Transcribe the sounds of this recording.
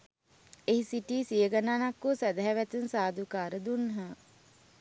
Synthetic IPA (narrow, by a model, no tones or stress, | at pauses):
eɦisiʈiːsijəɡanaːnakːosæd̪əɦæʋæt̪unsaːd̪ukaːɾəd̪unɦə